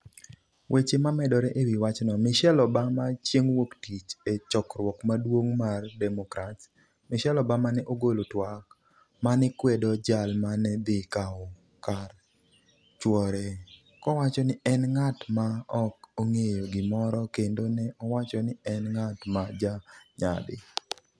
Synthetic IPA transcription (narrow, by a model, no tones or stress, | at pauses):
wʔet͡ʃemamɛdɔɾɛʔewiwat͡ʃnɔmɪʃɛlɔbamat͡ʃjeŋwoktit͡ʃet͡ʃɔkɾwɔkmadwoŋmardɛmɔkɾats | mɪʃɛlɔbamanɛʔoɡolotwak | manɪkwedɔd͡ʒalmanɛd̪ɪkaɔ | kar | t͡ʃwɔɾe | kɔwat͡ʃɔnɪɛnŋatmaɔkoŋejoɡɪmɔɾɔkendonɛʔɔwat͡ʃɔnɪɛnŋatmad͡ʒaɲa̰dɪ̰